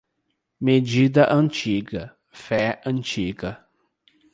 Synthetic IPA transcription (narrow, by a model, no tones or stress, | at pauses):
med͡ʒid̪ɐʔɐ̃t͡ʃiɡɐ | fɛɐ̃nt͡ʃiɡɐ